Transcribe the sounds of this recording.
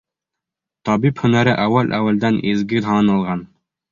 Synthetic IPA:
t̪ɒbiphɵ̆næɾɘʔæwælʔæwæld̪ænʔizɡɘɾɦɑnɑlˠʁɑn

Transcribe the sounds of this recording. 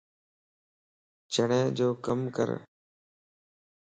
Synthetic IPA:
t͡ʃəɳẽːd͡ʒoːkəmkə̰ɾ

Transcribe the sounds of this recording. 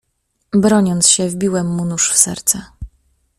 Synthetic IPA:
bɾɔɲɔnt̪sɕɛvbʲiwɛmːunuʂfsɛ̰ɾt̪sɛ

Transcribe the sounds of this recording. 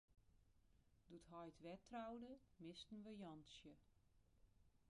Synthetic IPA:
d̥uthɔjtʋɛtʰrawdəmɪstn̩ʋəjɔnsjə

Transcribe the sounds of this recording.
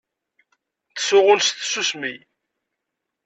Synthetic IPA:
θə̥sʊʁʊlst̪susmij

